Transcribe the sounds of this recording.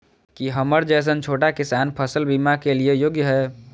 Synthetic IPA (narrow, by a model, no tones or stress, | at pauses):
kiɦəməɾd͡ʒɛːs̬ənt͡ʃʰoːʈakɪsaːnpʰəsəlbimakeliejoːɡjɦɛː